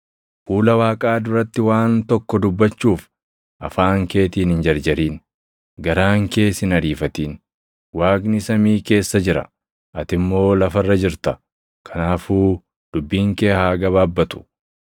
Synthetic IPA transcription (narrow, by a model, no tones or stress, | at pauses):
fuːlɐwaːkʼaːd̪ʊɾɐt̪ːɪwaːnt̪ɔkːɔd̪ʊbːɐt͡ʃːuːf | ʔɐfaːŋke̞ːt̪iːnhɪnd͡ʒɐɾd͡ʒɐɾiːn | ɡɐɾaːŋke̞ːsɪnɐɾiːfɐt̪iːn | waːɡnɪsɐmiːke̞ːsːɐd͡ʒɪɾɐ̰ | ʔɐt̪ɪmːo̞ːlɐfɐrːɐd͡ʒɪɾt̪ɐ | kʰɐnaːfuː | d̪̥ʊbːiːŋkeːhaːɡɐβaːbːɐt̪ʊ̥